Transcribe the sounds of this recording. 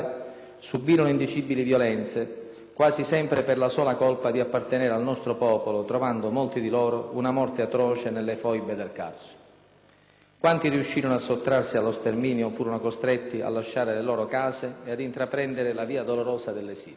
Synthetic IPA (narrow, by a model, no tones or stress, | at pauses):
subːiːɾonoind̪it͡ʃibilivjɔlɛnt̪se | kwaːzisɛmpɾeperlasɔːlakɔlpad̪iapːart̪enɛːɾealnɔst̪ɾopɔːpolot̪ɾovand̪oʊmolt̪id̪ilɔːɾounamɔrt̪eat̪ɾɔːt͡ʃenelːefɔjbed̪elka̰rso̥ | kwant̪iriuʃːiːɾonoasːot̪ːɾarsialːost̪ermiːnjofuːɾonokost̪ɾɛt̪ːia̰lːaʃːaːɾelelɔːɾokaːzeead̪int̪ɾapɾɛnd̪eɾɪlaviːad̪oloɾɔːzad̪elːesḭː